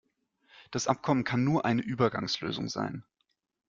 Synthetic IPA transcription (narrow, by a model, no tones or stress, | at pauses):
d̥asʔap̚kʰɔmənkʰanːuːɐʔaɪnəʔyːbɐɡa̰ŋslø̰ːzʊ̰ŋza̰ɪn